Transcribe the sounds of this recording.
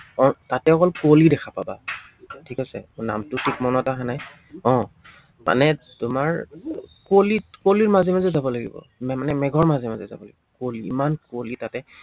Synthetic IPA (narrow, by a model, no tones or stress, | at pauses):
ɔ̃tatɛɔkɔlkolidɛkʰapaba | tʰikasɛ̰na̰mtʊtʰik̚mɔnɔtaɦanaj | ɔ̃ | ma̰nɛtʊmaɹkolikoliɹmazɛmazɛzabɔlaɡḭbɔ̰ | mmanɛmɛɡʱɔɹmazɛmazɛza̰bɔla̰ɡibɔkoliḭmankolitatɛ